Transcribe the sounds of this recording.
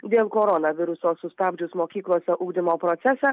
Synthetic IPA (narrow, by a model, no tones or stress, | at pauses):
d̪ʲeːlˠkoːɾɔnɐʋʲɪɾʊsoːsʊst̪ɑbʲd͡ʒʲʊsmoːkʲiːklˠoːsʲɛʔuːɡd̪ʲɪmoːpɾoːt̪sʲæsʲɛː